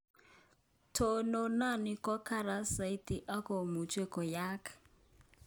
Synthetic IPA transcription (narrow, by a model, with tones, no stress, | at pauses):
tʰo˨no˨˦na˦˨nɪ˨kɔ˦ka˦ɾa˨˦sa˨i˦ti˨ʔa˦kɔ˨mu˨t͡ʃe˦kɔ˨ja˦kḁ˨